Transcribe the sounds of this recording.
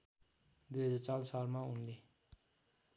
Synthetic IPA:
d̪iɦʌd͡zat͡salsalmaunle

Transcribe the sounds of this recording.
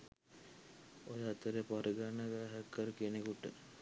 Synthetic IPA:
ojəat̪əɾepaɾəɡanəɡaːɦɛkːəɾukinekuʈə

